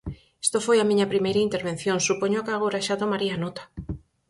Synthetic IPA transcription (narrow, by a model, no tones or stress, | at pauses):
est̪ofojamĩɲɐpɾimejɾɐint̪eɾβen̟θjoŋsupoɲokaɣoɾaʃat̪omaɾianot̪ḁ